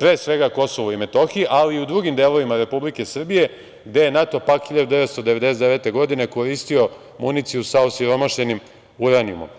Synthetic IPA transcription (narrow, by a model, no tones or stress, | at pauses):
pɾeːsʋe̞ɡako̞soʋoime̞t̪o̞xiʔaliːud̪ɾuːɡimd̪eːlˠo̞ʋimaɾe̞publike̞sr̩bije̞ | ɡd̪e̞jenat̪o̞pakxiʎeɾd̪eʋet̪st̪od̪ee̞d̪e̞seeʋe̞t̪e̞ɡo̞d̪ine̞ko̞ɾist̪io̞ | munit̪siusaosiɾo̞maʃe̞nim | uɾanijṵmo̰m